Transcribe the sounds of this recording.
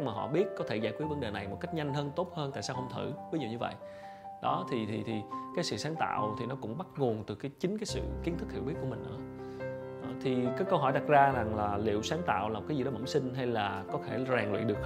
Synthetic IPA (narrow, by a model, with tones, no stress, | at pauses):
maː˨˩ɦɔ̰˧˨ɓi˦˥ət̚kɔ˨˦t̪ʰe˧˩zaː˧˩jkwi˦˥əvə˨˦nɗe˨˩na˨˩jmo˨˩t̚ka˦˥jk̚ɲa˧jŋ̟ɦəː˧nt̪o˦˥t̚həː˧nt̪a̰ː˧˨jsaː˧whə˧wŋ͡mt̪ʰɨ˧˩vəː˨˦ɲ˨˩wɲɨ˧və̰˧˨jʔ | ɗɔ˨˦t̪ʰi˨˩t̪ʰi˨˩t̪ʰi˨˩kaː˨˦jsɨ̰˧˨saː˨˦ŋt̪a̰ː˧˨wt̪ʰi˨˩nɔ˨˦kʊ̰˧˥ŋ͡mɓa˦˥t̚ŋu˨˩ənt̪ɨ˨˩kaː˨˦jt͡ɕï˨˦ŋ̟kaː˨˦jsɨ̰˧˨ki˨˦ənt̪ʰɨ˦˥k̚hḭ˧˨wɓi˦˥əku˧˩əmï˨˩ŋ̟ʔɨ̰˧˩ə˨˦ | t̪ʰi˨˩kaː˨˦jkə˧wɦɔ˧˩jɗa˨˩t̚zaː˧za˨˩ŋlaː˨˩lḭ˧˨əwsaː˨˦ŋt̪a̰ː˧˨wlaː˨˩˨t̚aː˨˦zi˨˩ɗɔ˨˦mə̰˧˩ŋ͡msï˧ŋ̟ɦa˧jlaː˨˩kɔ˨˦t̪ʰe˧˩zaː˨˩ŋlḭ˧˨ɗɨ˨˩ək̚